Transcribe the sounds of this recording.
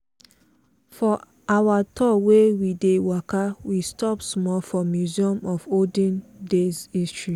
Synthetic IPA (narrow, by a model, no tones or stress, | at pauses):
fɔ | awatʰɔwewidewɔkawistɔpsmɔlfɔmjuziɔ̃mɔfodĩndezistɹi